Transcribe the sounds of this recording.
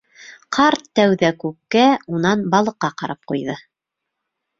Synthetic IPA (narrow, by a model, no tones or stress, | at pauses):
qʰɑɾt̪ːæwðækʉk̚kːæunɑnbɑlˠɤ̆qːɑqɑɾɑp̚qujðɤ